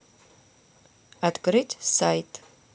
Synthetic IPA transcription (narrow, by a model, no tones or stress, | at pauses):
adɡʼɾɨtʰʼsajtʼ